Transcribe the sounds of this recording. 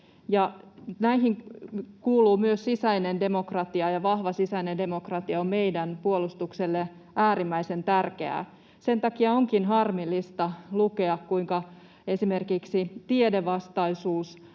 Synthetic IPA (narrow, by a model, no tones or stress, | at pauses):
jɑnæiɦiŋkuːluːmyøssisæinendemo̞krɑt̪iɑjɑʋɑhʋɑsisæinende̞mokrɑt̪iɑomme̞jdænpuolust̪ukselːe | ʔæːɾimːæisent̪ærkḛæ̰ | se̞nt̪ɑkiɑoŋkinɦɑrmilːist̪ɑlukeɑkkuiŋkɑ | e̞sime̞rkiksit̪iedeʋɑst̪ɑisuːs